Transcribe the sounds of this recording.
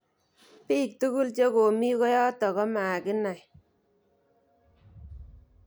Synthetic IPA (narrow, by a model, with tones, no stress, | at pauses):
piː˦˨k̚tu˦ku˦lt͡ʃe˦ko˨mi˦kɔ˦jɔ˦tɔ˨kɔ˦ma˨kɪ˦na˨j